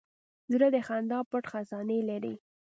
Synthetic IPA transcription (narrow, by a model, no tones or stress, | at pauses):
zɾəd̪əxand̪ɑpʊʈxazɑnelaɾḭ